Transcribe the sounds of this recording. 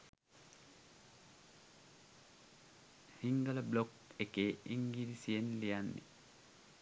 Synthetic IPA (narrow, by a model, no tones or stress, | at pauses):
hiŋɡɐlɐblɔk | ekeiŋɡilisienlijanːḭ